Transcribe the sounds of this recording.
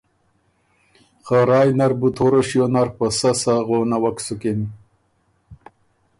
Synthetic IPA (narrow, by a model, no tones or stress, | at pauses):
χaɾɑːjnaɾbut̪ʰoɾoɕjonaɾpasasaɣonawaksukin